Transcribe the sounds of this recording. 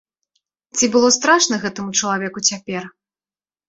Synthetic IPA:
t͡sʲibɨlˠɔst̪ɾaʂnɐɣɛt̪ɐmut͡ʂɐlˠavʲɛkut͡sʲapʲɛr

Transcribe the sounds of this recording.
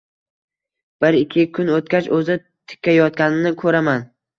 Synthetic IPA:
b̥ɪɾɪkʲʰːɪkʰʊnot̪kʲat͡ʃɵzɪ | t̪ʰɪ̥kʲʰːajɒt̪̚kʲanɪnɪkʰɵɾaman

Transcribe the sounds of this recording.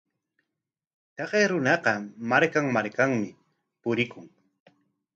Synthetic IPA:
t̪ɑqeɾʊnɑqɑmaɾkaŋmaɾkaŋmɪ | pʊɾɪkʊŋ

